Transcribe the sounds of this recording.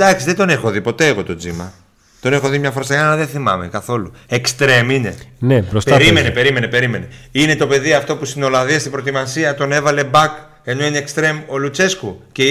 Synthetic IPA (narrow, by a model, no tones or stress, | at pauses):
d̪ɐksizðe̞d̪o̞ne̞xoðipo̞t̪e̞ːɣo̞t̪o̞d͡zimɐ̰ | t̪o̞ne̞xo̞ðimɲɐfoɾɐseɣalɐðenθimɐ̰me̞̰kɐθo̞luekst̪ɾe̞mine̞nebɾostpeaɾimenepe̞ɾime̞nepe̞ɾime̞ne̞ine̞t̪o̞pe̞ðiɐft̪o̞pust̪ino̞lɐðiɐst̪ibɾo̞t̪imɐsiɐt̪o̞ne̞vɐle̞bɐk | e̞no̞inekst̪ɾe̞mo̞lut͡se̞skuce